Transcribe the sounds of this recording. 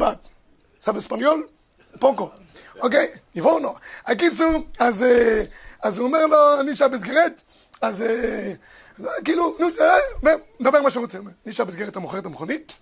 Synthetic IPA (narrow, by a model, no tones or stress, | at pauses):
bat̪ | savespanjol | poko | okejivonoak̬it͡suʁazeazuomeʁloaniʃabes̬ɡeʁet | aze | kiːlunuvemd̪abeʁmaʃʁot͡seomeʁniʃabesɡeʁetamoχeetamχonit̚